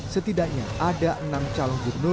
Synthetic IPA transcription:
sət̪idaʔk̚ɲaʔadaʔənamt͡ʃalɔŋd͡ʒurnu

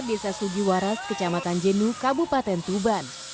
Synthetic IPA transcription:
rdesasud͡ʒiwaɾaskət͡ʃamat̪and͡ʒənukabupat̪ɛnt̪uban

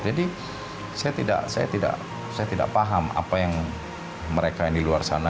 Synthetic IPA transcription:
d͡ʒadi | sajat̪ida̰ʔsa̰ja̰t̪ida̰ʔ | sajat̪ida̰ʔpaɦama̰pajaŋ | məɾekajaŋdiluarsana

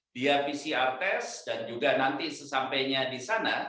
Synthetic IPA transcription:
d̥iafisiart̪ɛsd̥and͡ʒuɡanant̪isəsampɛɲadisana

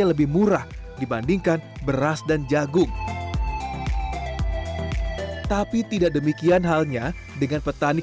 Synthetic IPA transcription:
aləbɪhmuɾah | dibandiŋkan | bəɾasdand͡ʒaɡʊŋ | t̪apit̪idaʔdəmikianɦalɲa | dəŋanpət̪ani

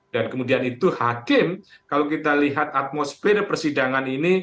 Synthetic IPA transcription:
dankəmudianit̪uhakɪmkalawkit̪aliɦat̪at̪̚mosfeɾapərsidaŋanini

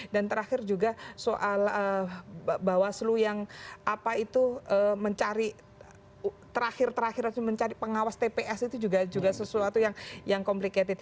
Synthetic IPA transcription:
dant̪əɾaxɪrd͡ʒuɡasoʔalə | bawaslujaŋʔapait̪uʔəməɲt͡ʃaɾi | t̪əɾaxɪrt̪əɾaxɪɾaməɲt͡ʃaɾipəŋawast̪epeʔɛsit̪ud͡ʒuɡad͡ʒuɡasəsuat̪ujaŋjaŋkomplikat̪ɪf

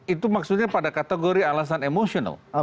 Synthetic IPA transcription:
it̪umaksut̪̚ɲapadakat̪eɡoɾialas̬anemosiona̰l

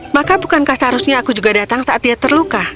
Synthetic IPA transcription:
makabukankasɦaɾusɲaːkud͡ʒuɡadat̪aŋsaʔat̪̚iat̪ərluka

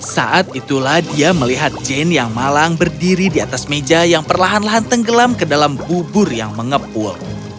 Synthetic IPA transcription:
sa̰ʔat̪̚it̪ulahdiaməliɦat̪̚d͡ʒɛnjaŋmalaŋbərdiɾidiat̪asmed͡ʒajaŋpərlaɦanlaɦant̪əŋɡəlamkədalambubʊrjaŋməŋəpʊ̰l

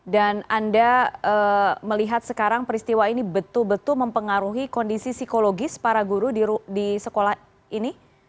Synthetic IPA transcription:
danandaəməliɦat̪̚səkaɾaŋpəɾist̪iwainibət̪ʊlbət̪ʊlməmpəŋaɾuɦikɔndisisikoloɡɪspaɾaɡuɾudiɾudisəkolah | ini

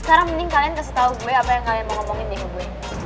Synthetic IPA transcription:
sə̥kaɾaŋmənɪŋkaliankəsət̪auɡuweapajaŋkalianməŋɔmɔŋɪndimuɡuwe

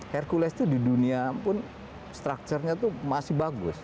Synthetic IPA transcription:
hɛrkulɛst̪udiduniapʊn | st̪ɾak̚t͡ʃərɲat̪umasɪhbaɡʊs

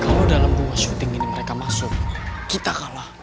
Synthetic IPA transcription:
kalawdalambuwasut̪ɪŋiniməɾekamasʊk̚kit̪akalah

